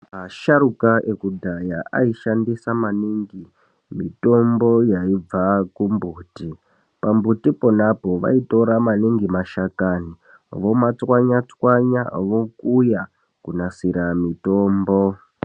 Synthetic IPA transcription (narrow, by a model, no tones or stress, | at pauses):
maʃaɾukaʔekudʱajaʔaiʃandisamaniːŋɡi | mito̞mbo̞jaib͡vakumbuːti | pambutipo̞napo̞ʋa̰ito̞ɾamaniŋɡimaʃakaːni | ʋo̞mat͡swaɲat͡swaɲa̰ʋo̞kuja | kunasiɾamitoːmbo